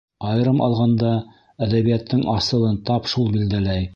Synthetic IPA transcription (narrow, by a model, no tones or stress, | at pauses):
ɑjɤ̆ɾɤmʔɑ̰lˠʁɑnd̪ɑ | æðæβijæt̪ːɘŋɑsɤ̆lˠɤnt̪ɑpʃulˠbild̪ælæj